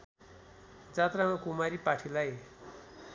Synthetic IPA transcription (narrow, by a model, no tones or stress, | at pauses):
d͡zat̪ramakumaɾipaʈʰilaj